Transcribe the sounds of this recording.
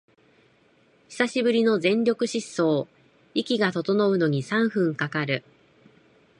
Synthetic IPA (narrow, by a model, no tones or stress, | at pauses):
çi̥saɕibɯ̟ɾʲino̞zẽ̞ɲɾʲo̞kɯ̟ɕisːo̞ː | ikʲiɡat̪o̞t̪o̞no̞ɯ̟no̞ɲ̟isãɰ̃ɸɯ̟̃ŋkakaɾɯ̟